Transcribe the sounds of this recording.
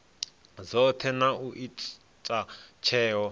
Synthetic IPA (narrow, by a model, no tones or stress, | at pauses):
zɔt̪ʰɛnauʔi | t͡ʃʼat͡ʃʰɛːɦɔ